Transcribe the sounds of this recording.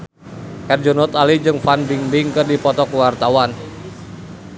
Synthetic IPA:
ʔɛrd͡ʒɔnɔt̪alid͡ʒɨŋfanbiŋbɪŋkɨrdipɔt̪ɔkwart̪awan

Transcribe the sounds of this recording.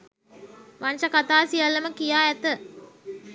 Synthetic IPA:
ʋanʃɐkat̪aːsijalːəməkijaːɛt̪ə

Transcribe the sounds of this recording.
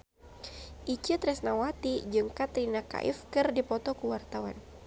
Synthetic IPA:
ʔit͡ʃit̪ɾɛsnawat̪id͡ʒɨŋkat̪ɾinaka̰ʔḭfkɨrdipɔt̪ɔkəwart̪awa̰n

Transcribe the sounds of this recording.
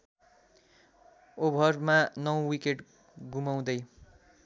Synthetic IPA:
obʱʌrmanʌw̃wikeʈ | ɡumaw̃d̪ʌj

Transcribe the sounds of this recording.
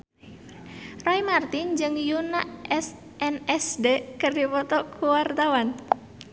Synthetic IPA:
rajmart̪ɪnd͡ʒɨŋjunaʔɛs | ʔɛnɛsdekərdipɔt̪ɔkʰuwart̪awan

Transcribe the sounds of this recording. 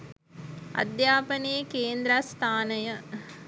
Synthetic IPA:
a̰d̪jaːpənejəkeːnd̪ɾast̪ʰaːnəjə

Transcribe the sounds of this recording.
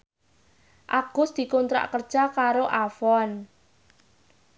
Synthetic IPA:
ʔaɡ̥ʊsd̪̥i̤kunt̪ɾa̰ʔkərd̥ʒ̥akaɾoʔafɔn

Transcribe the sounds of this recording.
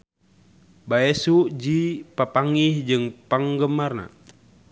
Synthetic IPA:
baɛsuʔd͡ʒipapaŋihd͡ʒɨŋpaŋɡəmarna̰

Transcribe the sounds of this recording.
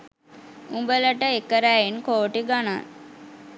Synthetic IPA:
umbələʈəekəɾæːenkoːʈiɡana̰

